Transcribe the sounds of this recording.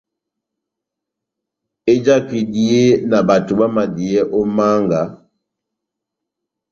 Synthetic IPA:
e˦d͡ʒa˦ki˨di˦e˦na˨ba˨tu˨ba˦ma˨di˨ɛ˦ʔɔ˦ma˦ŋɡa˨˦

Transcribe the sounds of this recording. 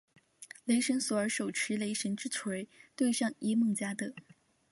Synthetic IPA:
le˧˥ɪʂə˧˥nswɔ˨˩ə˞˧˥ʂo˨˩ʊʈ͡ʂʰɻ̩˧˥le˧˥ɪʂə˧˥nʈ͡ʂɻ̩˥t͡sʰwe˧˥ɪt̪we˥˧ɪʂɑ˥˩ŋi˥mɤ˥˩ŋt͡ɕja˥d̪ə˨

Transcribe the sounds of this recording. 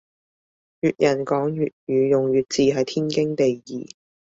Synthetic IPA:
jyː˨t̚jʔɐ˨˩nkɔː˨˥ŋjyː˨t̚jyː˨˧jʊ˨ŋjyː˨˩t̚t͡siː˧ɦɐ˨jt̪ʰiː˥nkɪ˥ŋt̪e˨jjḭː˨

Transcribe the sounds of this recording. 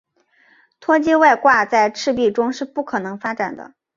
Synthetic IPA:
t̪ʰwɔ˥t͡ɕi˥wa˥˧ɪkwa˥˧t͡sa˥˧ɪʈ͡ʂʰɻ̩˥˧pi˥˩ʈ͡ʂʊ˥ŋʂɻ̩˥˧pu˥˩kʰɤ˨˩nɤ˧˥ŋfa˥ʈ͡ʂa˨˩nd̪ə̰˦

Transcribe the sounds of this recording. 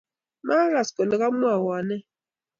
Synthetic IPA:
ma˦ɾa˨sko˨le˨ɣa˦mu˦a˨wa˨nɛ˦

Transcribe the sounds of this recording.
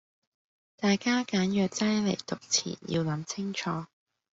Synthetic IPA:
t̪aː˨jkaː˥kaː˨˥njœː˨k̚t͡sɐ˥jle˨˩jt̪ʊ˨k̚t͡sʰḭː˨˩njḭ˧wlɐ˨˥mt͡sʰɪ˥ŋt͡ʃʰɔː˨˧

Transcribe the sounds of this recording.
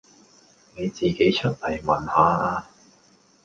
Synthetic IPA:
ne˨˧jt͡siː˨ke˨˥jt͡ʃʰɵ˥t̚lɐ˨˩jmɐ˨˩nhaː˨˧aː˧

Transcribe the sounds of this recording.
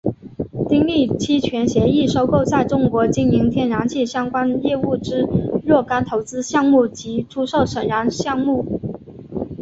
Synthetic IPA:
t̪i˥ŋli˥˩t͡ɕʰi˥t͡ɕʰɥɛ˧˥nɕjɛ˧˥i˥˩ʂo˥ʊko˥˧ʊt͡sa˥˩ɪʈ͡ʂʊ˥ŋkwɔ˧˥t͡ɕi˥nmi˧˥ŋt̪ʰjɛ˥˩nɻa˧˥nt͡ɕʰi˥˩ɕjɑ˥ŋkwa˥njɛ˥˧u˥˩ʈ͡ʂɻ̩˥ɻwɔ˥˩ka˥nt̪ʰo˧˥ʊt͡sɹ̩˥ɕjɑ˥˧ŋmu˥˩t͡ɕi˧˥ʈ͡ʂʰu˥ʂo˥˩ʊʂə˨˩nɻa˧˥nɕjɑ˥˧ŋmu˥˩

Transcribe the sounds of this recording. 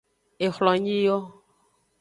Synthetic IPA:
e˨xlɔ˨ɲĩ˦jɔ˦

